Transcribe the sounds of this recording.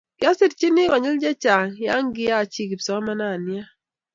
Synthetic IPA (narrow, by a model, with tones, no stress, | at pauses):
kɪ˨a˦sɪ˦dt͡ʃi˦nɪ˦kɔ˨ɲɪ˦ld͡ʒɛ˦t͡ʃa˨ŋja˦ŋɡɪ˦ja˦˨t͡ʃi˦ki˨psɔ˨˦ma˦na˦˨nja˦